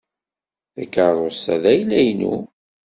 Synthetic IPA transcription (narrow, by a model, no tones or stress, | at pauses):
θækːaðˤostæ̰ðæjlæjnṵ